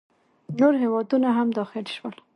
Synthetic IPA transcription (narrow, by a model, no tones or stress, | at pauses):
noɾɦewɑd̪unaɦamd̪ɑxɪlʃwəl